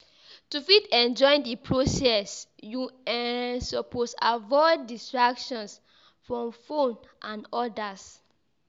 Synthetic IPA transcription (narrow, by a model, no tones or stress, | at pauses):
tufitɛ̃nd͡ʒɔ̃j̃ndipʰɹosɛsjuɛsɔposa̰vɔɪdːistɹakʃɔ̃ns | fɹɔ̃mfõnʔãnɔdas